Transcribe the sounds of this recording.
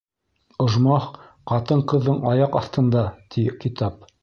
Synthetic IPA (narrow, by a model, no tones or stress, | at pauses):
ŏʒmɑχqɑt̪ɤɴqɤ̆ðːɤɴɑjɑqɑθt̪ɤ̆nd̪ɑt̪ʰikit̪ɑp̚